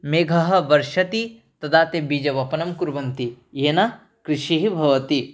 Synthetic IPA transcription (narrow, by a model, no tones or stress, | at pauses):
meːɡʱɐɦɐ̆ʋɐɾʃɐt̪it̪ɐd̪aːt̪ebiːd͡ʒɐʋɐpɐnɐmkuɾʋɐmt̪ijeːnɐ | kɾɪʃiɦibʱɐʋɐt̪i